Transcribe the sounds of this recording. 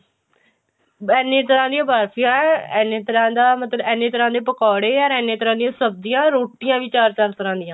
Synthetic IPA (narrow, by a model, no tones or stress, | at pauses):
ɛːnẽːt̪əɾãːd̪ijãːbaːɾpʰijãːɛɛːnẽːt̪əɾãːd̪aːmət̪ləbɛːneːt̪əɾãːd̪eːpəkɔːɽeːəɾɛːnẽːt̪əɾãːd̪ijãːsəb̚d̪ɪjãːɾoːʈɪjãːʋiːt͡ʃaːɾt͡ʃaːɾt̪əɾãːd̪ɪjãː